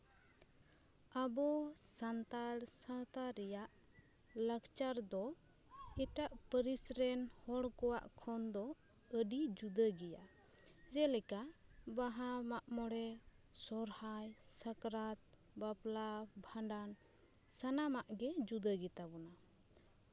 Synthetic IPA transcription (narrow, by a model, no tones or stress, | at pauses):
abɔsant̪asawt̪aɾɛjaʔ | ləkt͡ʃaɾd̪ɔ | ɛʈaʔpəɾisɾɛnhɔɽkɔwa̰ʔkʰɔnd̪ɔ | əɖid͡ʒud̪əɡɛja | d͡ʒɛlɛkabaɦamaʔmɔɽɛ | sɔɾhajsəkɾat̪̚ | baplabʱaɳɖan | sanamaʔɡɛd͡ʒud̪əɡɛt̪abɔna